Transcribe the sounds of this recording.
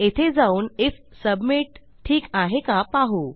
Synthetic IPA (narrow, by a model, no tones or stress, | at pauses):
et̪ʰed͡zauːnif | səbmiʈ | ʈʰːiːkaɦekapaɦu